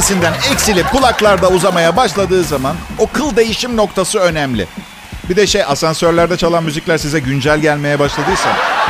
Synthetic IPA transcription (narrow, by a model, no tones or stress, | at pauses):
sind̪ænɛcsilʲip̚kʰulˠaklˠaɾd̪auzamajabaʃlˠad̪ɯːzamanokʰɯlˠd̪e̞jiʃimno̞kt̪ʰasɯø̞nɛmlʲɪ̰ | bid̪ɛʃejasansøɾlʲæɾd̪ɛt͡ʃʰalˠanmyziclʲæɾsizɛɟynd͡ʒælʲɟælʲme̞jɛbaʃlˠad̪ɯjsa̰n